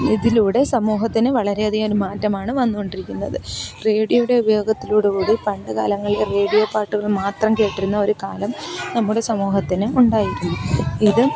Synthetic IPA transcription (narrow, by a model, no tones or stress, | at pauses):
iðiluːɽe̞sɐmuːɦɐt̪ːinɨʋɐɭɐɾe̞ɐðijmoɾumaːtːɐmaːɳɨʋɐnːuɣo̞ɳɖiɾikʲːunːɐðɨre̞ːɽijɐjuɽe̞ubɐjo̞ːɡɐt̪ːiluːɽekuːɽipɐɳɖɨka̰ːlɐŋːɐɭilere̞ːɽijopaːrʈːuɣɐɭmaːt̪rɐmke̞ːʈːiɾunːɐo̞ɾukaːlɐmnɐmːuɽe̞sɐmuːɦɐt̪ːinɨuɳɖaːjiɾunːuiðɨ